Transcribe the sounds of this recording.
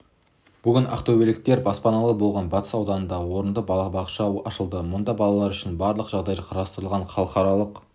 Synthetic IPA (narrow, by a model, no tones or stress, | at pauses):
b̥ʏɡʲɪnʔɑ̰qt̪ʰɵwbeɾɪk̚t̪e̞ɾbɑspɑnɑlˠəbo̞lˠʁɑnbɑt̪ə̥sɑwd̪ɑnənd̪ɑʁəwo̞ɾənd̪əbbɑqʃɑɑʃəlˠd̪əmʊnd̪ɑbɑlˠɑlˠɑɾʏʃɪnbɑɾlˠəqʒ̥ɑʁd̪ɑjqʰɑɾɑst̪əɾlˠʁɑɴχʰɑlˠəqɑɾɑlˠəq